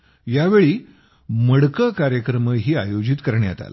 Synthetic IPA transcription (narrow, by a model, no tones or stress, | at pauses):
jaʋeɭiː | məɽkəkaɾjəkɾəməɦiːajod͡ʑit̪kəɾɳja̰t̪a̰la̰